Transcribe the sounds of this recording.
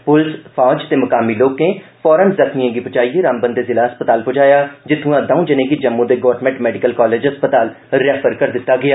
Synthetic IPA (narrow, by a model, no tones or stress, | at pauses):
pʊlspʰãːd͡ʒt̪eːmʊkaːmiːloːkẽːpʰɔːɾənzəkʰnijãːɡiːpʊt͡ʃaːiːeːɾaːmbənd̪eːzɪlaːəspət̪aːlpʊd͡ʒaːjaːd͡ʒɪt̪ʰːũãːd̪ãũːd͡ʒənẽːɡiːd͡ʒəmːũd̪eːɡɔːɾʈmɛ̃ɳʈmɛːɖɪkəlkɔːleːd͡ʒɦəspət̪aːl | ɾɛpəɾkəɾd̪ɪt̪ːaːɡɪjaː